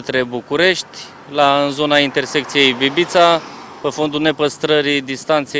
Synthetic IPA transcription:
t̪ɾe̞bukuɾe̞ʃt̪ʲ | laɨnzo̞naint̪e̞rse̞kt̪sije̞jbibit̪sa | pe̞fo̞nd̪une̞pəst̪ɾəɾid̪ist̪ant̪se

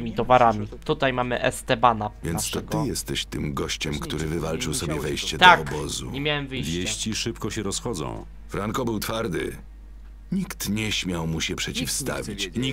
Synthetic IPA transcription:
mʲit̪ɔvaɾamʲit̪ut̪ajmamɘʔɛst̪ɛbanavjɛnst̪ɔt̪ɪjɛst̪ɛɕt̪ɘmɡɔɕt͡ɕɛmkt̪uɾɘvɘvalt͡ʂɘwsɔbʲjɛvɛjɕt͡ɕɛd̪t̪ɔakɔbɔzṵɲɛmʲjawɛmvɘjvʲjeɕt͡ɕiʂɘpkɔɕɛɾɔsxɔd̪zɔ̰̃w̃ | fɾaŋkɔbɘwt̪faɾd̪ɘ̰ | ɲikt̪ɲɛɕmʲjawmuɕɛpʂɛt͡ɕifst̪a̰vʲit͡ɕɲi

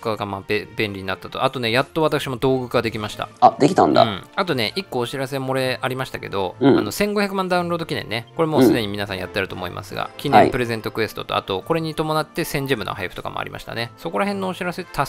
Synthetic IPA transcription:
kakamabẽ̞nʲɾʲiɲinat̪ːat̪o̞at̪o̞ne̞jat̪ːo̞β̞at̪akɯ̟ɕimo̞d̪o̞ːɡɯ̟kad̪e̞kʲimaɕi̥t̪a̰ad̪ekʲi̥t̪ã̰nd̪ã̰at̪o̞ne̞ʔikːo̞ːɕiɾase̞mo̞ɾe̞ʔaɾʲimaɕi̥t̪ake̞d̪o̞a̰no̞sẽ̞ŋɡo̞çjakɯ̟mãnd̪aɯ̟̃nɾo̞ːd̪o̞kʲinẽ̞nːe̞ko̞ɾe̞mo̞sɨd̪e̞ɲ̟imʲinasãɰ̃ja̰t̪ːeɾɯ̟t̪o̞moḭmʔa̰sɨɡa̰kʲinẽpɯ̟ɾe̞zẽ̞nt̪o̞kɯ̟e̞sɨ̥t̪o̞̰t̪o̞̰a̰t̪o̞ko̞ɾe̞ɲ̟it̪o̞mo̞nat̪ːe̞sẽ̞ɲ̟d͡ʑimɯ̟no̰ɦaipɸɯ̥t̪o̞ka̰mo̰a̰ɾʲḭmʔa̰ɕi̥t̪a̰ne̞so̞ko̞ɾaɦẽ̞nːo̞ːɕiɾase̞t̪ʰa

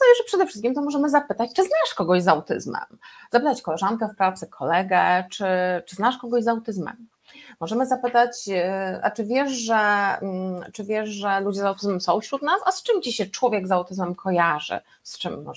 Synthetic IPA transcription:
sajɛʐɛpʂɛd̪ɛfʂɘ̥st̪kʲimt̪ɔmɔʐɛmɘzapɘt̪at͡ɕt͡ʂɘznaʂkɔɡɔʑzawt̪ɘ̰zmɛ̰mzapɘt̪at͡ɕkɔlɛʐankɛfpɾat̪sɛkʰɔlɛɡɛt͡ʂɘt͡ʂɘznaʂkɔɡɔʑzawt̪ɘzmɛ̰m | mɔʐɛmɘzapɘt̪at͡ɕa̰t͡ʂɘvʲjɛʂʐɛ | t͡ʂɘvʲjɛʂʐɛlud͡ʑɛzawt̪ɘzmɛmsɔ̃w̃fɕɾut̪nasast͡ʂɘmt͡ɕiɕɛt͡ʂwɔvʲjɛɡzawt̪ɘzmɛmkʰɔjaʐɘ̰ | st͡ʂɘmːɔ̰

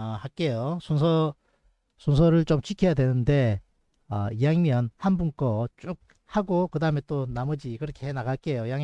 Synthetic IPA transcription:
ʌhak͈e̞josʰonsʰʌ | sʰons̬ʰʌɾɯɭt͡ɕ͈omt͡ɕʰikʰejadwe̞nɯnde̞ | ʌ̰ijaŋmjʌnhanbunk͈ʌt͡ɕ͈ok̚ | haɡokɯdaɦɯme̞t͈onamʌd͡ʑikɯɾʌkʰe̞henaɡaɭ̚k͈e̞jojaŋ

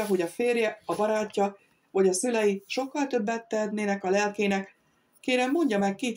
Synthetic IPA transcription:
ɒɦo̞ɟɒfeːrjɛɒbɒɾɒcːɒ | vɒɟɒsylɛjiʃo̞kːɒlt̪ø̞bːɛt̪ːɛd̪neːnɛkɒlɛlkeːnɛk | keːɾɛmːo̞ɲɟɒmɛkːit̪

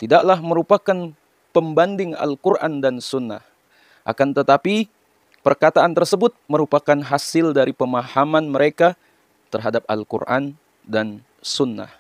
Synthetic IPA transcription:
t̪idaʔlahməɾupakan | pəmbandɪŋa̰lkurʔa̰ndansunːa̰h | ʔa̰kant̪ət̪api | pərkat̪aant̪ərsəbʊt̪̚məɾupakanɦasɪldaɾipəmahamanməɾʔeka | t̪ərɦadap̚a̰lkṵrʔa̰n | dan | sunːa̰h

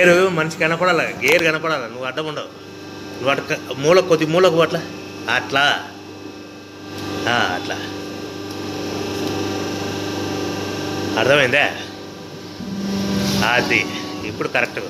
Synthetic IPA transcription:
eɾumɐnt͡ʃiɡɐnɐpɐɽaːlaɡeːɾuɡɐnɐpɐɽaːlɐnuʋːɐɾd̪ɐmuɳɖaw | nuʋɐʈːɐkmuːlɐkod̪imuːlɐkuʋɐʈlaː | ʈla | aːɐ̰ʈla̰ | ɐɾd̪ʰɐmɐind̪e | aːd̪iipːuɽukɐɾek̚ʈuɡa̰

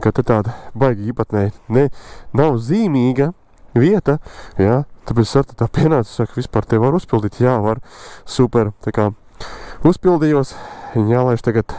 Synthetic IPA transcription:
kat̪et̪aːd̪bajɡiːpat̪nɛjnɛnawziːmiːɡa | ʋiɛt̪ajaːt̪apɛt̪sʲsaɾt̪at̪aːpʲiɛnaːssakʋʲispaːɾt̪evaɾuspʲilˠd̪iːt̪jaːʋaɾsupʲɛɾt̪akaː | uspʲilˠd̪ijuɔsiɲjaːlˠɛjʃt̪aɡat̪

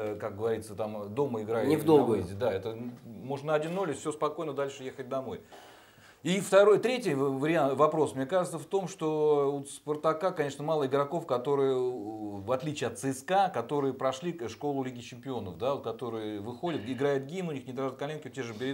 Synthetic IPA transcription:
kak̚ɡəvɐɾʲit̪sət̪amd̪o̞məɪɡɾajʊt̪nʲɪvd̪oɡzdʲɪd̪aɛt̪əmo̞ʐnəɐdʲinːolʲɪfsʲospɐko̞jnəd̪alʲʂɨjexət̚ʲd̪ɐmo̞j | ift̪ɐɾo̞jt̪ɾʲetʲɪjvəɾʲɪant̪vɐpɾo̞smnʲekaʐɨt̪səft̪o̞mʂt̪o̞ut̪spərt̪ɐkakɐnʲe̞ʂnəmalˠəɪɡɾɐko̞fkɐt̪o̞ɾɨjəvɐt̪lʲit͡ɕɪɐt̪sɨɛskakɐt̪o̞ɾɨjəpɾɐʂlʲikʂko̞lˠʊlʲiɡʲɪt͡ɕɪmʲpʲɪo̞nəfd̪aot̪kɐt̪o̞ɾɨjəvɨxo̞dʲət̪ɪɡɾajʊt̪̚ɡʲinʊnʲixnʲɪd̪ɾaʐɨt̪̚kɐlʲenkʲɪtʲeʐɨbʲɪɾ

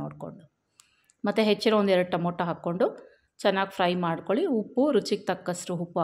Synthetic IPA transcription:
o̰ːɽko̞̰ɳɖu | mɐt̪ːuɦet͡ʃːiɾoond̪ɛɾɐɽʈɐmoːʈːɐɦaːkːo̞ɳɖu | t͡ʃɛnːaːɡipʰɾɐjmaːɖkoɭiupːuɾut͡ʃik̚t̪ɐkːɐsɾuɦupːu

